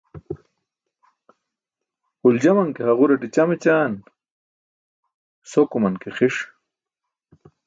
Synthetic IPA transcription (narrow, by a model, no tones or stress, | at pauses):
uld͡ʑɐmɐŋkeɦɐʁuɾɐʈit͡ɕɐmet͡ɕaːn | sokumɐnkeχiʂ